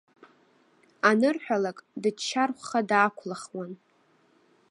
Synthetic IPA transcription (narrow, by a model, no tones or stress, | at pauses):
anɨrħᶣalakʼdɨt͡ʃʰːarχʷχadaːkʷʰlaχwan